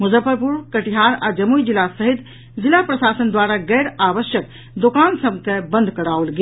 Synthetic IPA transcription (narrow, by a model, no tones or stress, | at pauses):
mud͡ʒəpəɾpuɾkəʈiɦaɾad͡ʒəmuid͡ʒilasəɦit̪ | d͡ʒilːapɾəsasənd̪waɾaɡɛjɾabəsjək̚ | d̪okansəbkebə̃nd̪ʱkəɽaolɡe